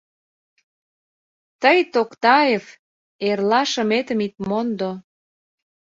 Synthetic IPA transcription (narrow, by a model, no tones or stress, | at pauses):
t̪əjt̪okt̪ɑef | erlɑʃəmet̪ə̆mit̪̚mond̪o